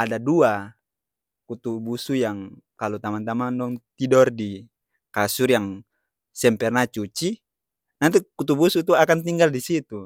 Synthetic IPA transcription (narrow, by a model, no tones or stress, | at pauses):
adadua | kut̪ubusujaŋ | kalut̪amant̪amandɔŋt̪idɔrdi | kasurjaŋ | sɛmpɛrnat͡ʃut͡ʃi | nant̪̬ukut̪ubusut̪uakant̪iŋɡaldisit̪u